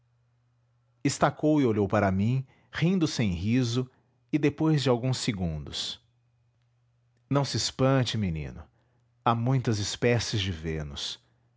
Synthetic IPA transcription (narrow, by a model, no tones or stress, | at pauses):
ɪst̪akowɪoʎowpaɾɐmĩ | hĩnd̪ʊsẽj̃hizʊ | ɪd̪epojzd͡ʒɪawɡũseɡũnd̪ʊs | nɐ̃w̃sɪɪspɐ̃t͡ʃɪminḭ̃nʊ | amũj̃t̪ɐzɪspɛsɪzd͡ʒɪvẽnʊs